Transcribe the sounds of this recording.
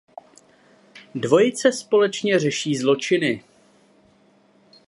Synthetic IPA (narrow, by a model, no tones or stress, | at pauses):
dvo̞jɪt͡sɛspo̞lɛt͡ʃɲɛr̝ɛʃiːzlo̞t͡ʃɪnɪ